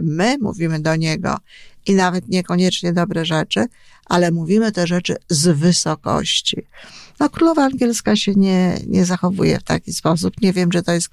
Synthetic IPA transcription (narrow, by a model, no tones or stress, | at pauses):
mɘmṵvʲimɘd̪ɔɲɛɡɔ̰inavɛt̪ɲɛkɔɲɛt͡ʂɲɛd̪ɔbɾɛʐɛt͡ʂɘ | ʔalɛmuvʲimɘt̪ɛʐɛt͡ʂɘ̰zvɘsɔkɔ̰ɕt͡ɕḭnɔkɾulɔvaːŋɡʲjɛlskaɕɛɲɛɲʔɛ̰zaxɔvṵjɛ̰ft̪a̰kʲispɔs̬upɲɛvʲjɛmʐɛt̪ɔjɛst̪